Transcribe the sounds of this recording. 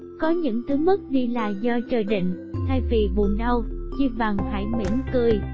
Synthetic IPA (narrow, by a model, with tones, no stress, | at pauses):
kɔ˨˦ɲɨ̰˧˥ŋt̪ɨ˨˦mə˦˥t̚ɗi˧laː˨˩zɔ˧t͡ɕəː˨˩jɗḭ̈˧˨ŋ̟ | t̪ʰa˧jvi˨˩vu˨˩nɗə˧wt͡ɕi˧va˨˩ŋha̰ː˧˥jmḭ˧˥əmkɨ˧˩əj